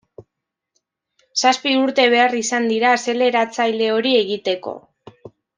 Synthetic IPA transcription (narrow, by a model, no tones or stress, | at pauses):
saspiuɾt̪e̞β̞e̞arisand̪iɾaːse̞le̞ɾat͡sajle̞o̞ɾie̞ɣit̪e̞ko̞̰